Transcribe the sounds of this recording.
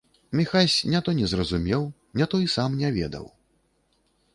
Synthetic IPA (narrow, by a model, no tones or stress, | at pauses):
mʲixasʲnʲat̪ɔnʲɛzrɐzumʲɛw | nʲɛt̪ɔisamnʲɛvʲɛ̰d̪ɐ̰w